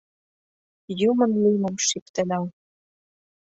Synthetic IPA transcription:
jumɤ̆nlujmɤ̆mʃipt̪ɘ̆læw

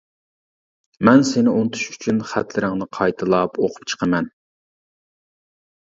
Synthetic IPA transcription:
mɛnsɪnɪʔont̪ʰu̥ʃy̥t͡ʃʰynχæ̰t̪ʰlɪɾɪŋnɨqʰɑjt̪ʰɨlˠɑpoqʰʊ̥p̚t͡ʃʰə̥qʰəmɛn

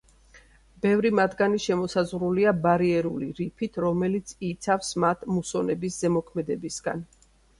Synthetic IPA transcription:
b̥ɛvɾimad̪ɡaniʃɛmɔsazʁɾuliabaɾiɛɾuliɾipʰit̪ʰɾɔmɛlit̪sʰit̪sʰafsmat̪ʰmusɔnɛbiszɛmɔkʰmɛd̪ɛbisɡa̰n

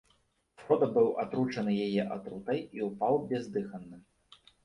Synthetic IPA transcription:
fɾɔd̪ɐbɨwʔat̪ɾut͡ʂɐnɨjajɛʔat̪ɾut̪ɐjiupawbʲɛzd̪ɨxɐnːɨ

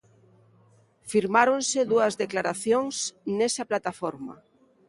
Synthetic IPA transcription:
fiɾmaɾonseðuazðeklaɾaθjoŋsnesaplat̪afoɾma̰

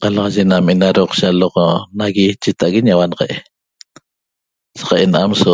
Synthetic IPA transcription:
qɑlɑʁɑʒenamenaɾoqʃaloqnaɣit͡ʃet̪aʔɣeɲawanʁeʔe | sḁqɑʔenaʔamso

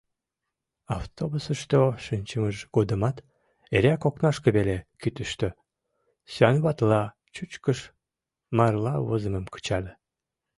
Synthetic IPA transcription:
ɑft̪obusəʃt̪oʃinʲt͡ɕəməʃɡ̥od̪əmɑt̪ | eɾʲækoknɑʃkəβelekyt̪əʃt̪ø | sɑnβɑt̪lɑ | t͡ɕut͡ɕkəʃ | mɑrlɑβozəməmkə̥t͡ɕɑlʲe

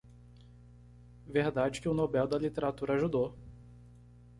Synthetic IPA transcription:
veɾd̪ad͡ʒɪkɪʊnobɛwd̪ɐlit̪eɾat̪uɾɐaʒud̪o

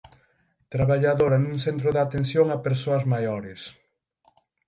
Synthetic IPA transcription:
t̪ɾaβaʎaðoɾɐnũŋsθent̪ɾʊðat̪ensjoŋapeɾsoɐzmajoɾɪs

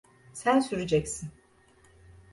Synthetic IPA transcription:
sænsyɾid͡ʒɛcsin

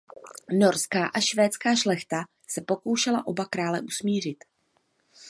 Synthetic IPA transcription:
no̞ɾskaːʔaʃvɛːt͡skaːʃlɛxt̪a | sɛpo̞ko̞wʃɛlaʔo̞bakɾaːlɛʔusmiːr̝ɪt̪

